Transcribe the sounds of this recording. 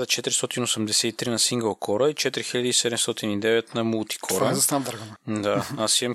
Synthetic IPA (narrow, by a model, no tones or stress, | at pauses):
zɐt͡ʃɛt̪ɾist̪ɔt̪inosɛmd̪ɛsɛt̪it̪ɾinɐsiŋɡəlˠkʰɔɾəit͡ʃɛt̪ɾixiʎad̪əisɛd̪ɛmst̪ɔt̪inid̪ɛvɛt̪nɐmulˠt̪i̥kʰɔɾəzɐst̪and̪aɾənd̪aasiɐm